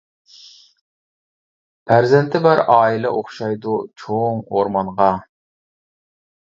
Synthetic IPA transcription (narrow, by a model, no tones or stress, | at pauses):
pʰæɾzɛnt̪ʰɪbæɾɑːilɛ̰ʔoχʃɑjd̪ut͡ʃʰoŋoɾmɑnʁɑ